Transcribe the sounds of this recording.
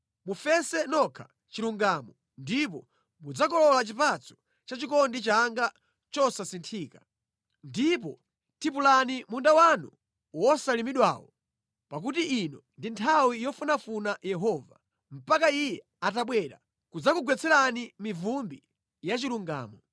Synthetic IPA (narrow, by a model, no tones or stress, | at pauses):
mufɛsɛnɔkʰa | t͡ʃiluŋɡamɔ | ndipɔ | mud͡zakɔlɔlat͡ʃipat͡sɔ̥ | t͡ʃat͡ʃikɔndit͡ʃaŋɡa | t͡ʃɔsasintʰiːka | ndip̬ɔ | tʰip̬ulanimundawanṵ | wɔsalimiɗwa̰wɔ | pak̬utiʔinɔndintʰawijɔfunafunajɛɦɔːva | m̩pakaijɛ | at̬aɓwɛɾa̰ | kud͡zakuɡwɛt͡sɛɾanimivumbi | jat͡ʃiluŋɡa̰ːmɔ